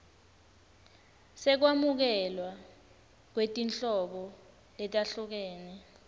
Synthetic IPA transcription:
sɛk̬wamuk̬ɛlwa | k̬wetʼint͡ɬɔɓɔ | lɛtʼaɬuk̬ɛːnɛ

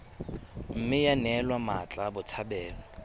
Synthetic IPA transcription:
m̩mɪjanɛlwamat͡ɬʼabʊt͡sʰabɛːlɔ

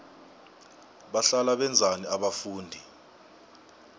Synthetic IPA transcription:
ɓaɬalaɓɛnd͡zʱaniaɓafuːndʱi

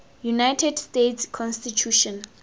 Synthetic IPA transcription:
junajtʰɛdstetskʰɔ̃nstitʰuʃɔ̃n

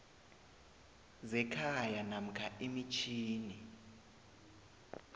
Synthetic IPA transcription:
zɛkʰajanam̩kʰaʔimit͡ʃʰiːni

